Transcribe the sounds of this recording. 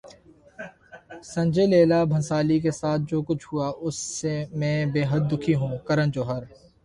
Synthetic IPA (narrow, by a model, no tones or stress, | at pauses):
sɐ̃ɲd͡ʒeleːlabʱɐ̃nsaːlik̬esaːt̪̚ʰd͡ʒoːkʊt͡ʃʰɦuaʔʊsːemɛ̃ːbeːɦəd̪̚ːʊkʰiɦũːkɐɾə̃nd͡ʒoːɦəɾ